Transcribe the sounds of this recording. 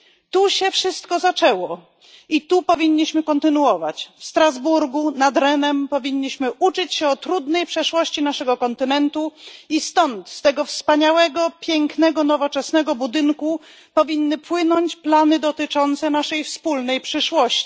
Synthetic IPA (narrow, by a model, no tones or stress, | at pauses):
t̪uɕɛfʂɘst̪kɔzat͡ʂɛwɔ | it̪upɔvʲiɲːiɕmɘkɔnt̪ɘnuwɔva̰t͡ɕfst̪ɾazbuɾɡunad̪ɾɛnɛmpɔvʲiɲːiɕmɘʔut͡ʂɘt͡ɕɕɛɔt̪ɾud̪nɛjpʂɛʂwɔɕt͡ɕinaʂɛɡɔkɔnt̪ɘnɛnt̪uist̪ɔnt̪st̪ɛɡɔfspaɲawɛɡɔpʲjɛŋknɛɡɔnɔvɔt͡ʂɛsnɛɡɔbud̪ɘŋku | pɔvʲinːɘpwɘnɔɲt͡ɕplanɘd̪ɔt̪ɘt͡ʂɔnt̪sɛnaʂɛjfspulnɛjpʂɘʂwɔɕt͡ɕi̥